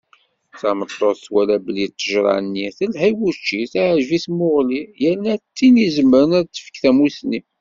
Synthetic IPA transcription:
θɑmət̪ˤːoθwælæblid̪t̪ːəʒɾˤɑ̰ʕnːiθəlɦæjwut͡ʃːiθæʕʒviθmʊʁlijəɾnæt̪ːinizəmːəɾənæðt̪ːə̥fə̥kθæmusni

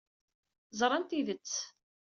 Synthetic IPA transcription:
zˤɾˤɑnt̪iðət͡sː

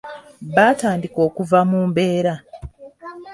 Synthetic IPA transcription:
βaːtaːndiko̞ːkuvamuːmbe̞ːɾa

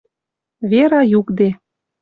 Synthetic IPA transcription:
βeɾɑjukd̪e

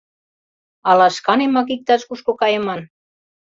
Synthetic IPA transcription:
ɑlɑʃkɑnemɑk̬ik̚t̪ɑʃkuʃkokɑjə̆mɑn

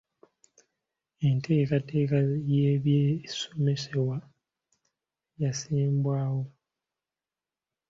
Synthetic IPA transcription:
e̞ntʰe̞ːkate̞ːkajeːβjeːso̞me̞sewa | jasiːmbwaːwo̞

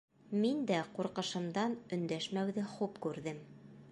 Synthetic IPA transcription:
mind̪æquɾqɤ̆ʃɤ̆md̪ɑnɵ̆nd̪æʃmæwðɘχupkʉɾðɘm

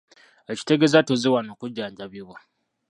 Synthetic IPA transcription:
eci̥teɡezatoziwanokuɟːaːɲɟaβiβwa

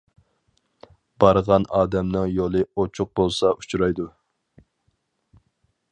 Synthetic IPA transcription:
b̥ɑɾʁɑnɑːd̪ɛmnɪŋjolˠɨot͡ʃʰʊq̚bolˠsɑut͡ʃʰɾɑjd̪u

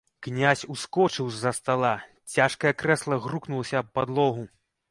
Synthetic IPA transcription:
knʲasʲuskɔt͡ʂɨwzɐst̪alˠa | t͡sʲaʂkɐjɐkɾɛslˠɐɣruknulˠɐsʲɐːppːad̪lˠɔɣu

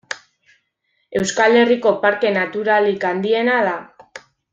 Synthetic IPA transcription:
e̞wskale̞riko̞paɾke̞nat̪uɾalikand̪ie̞naða

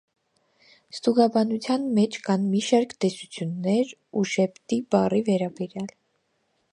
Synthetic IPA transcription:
st̪uɡɑbɑnut͡sʰjɑnmɛt͡ʃʰkɑnmiʃɑɾkt̪ɛsut͡sʰjunːɛɾuʃɛpʰt̪ibɑrivɛɾɑbɛɾjɑl

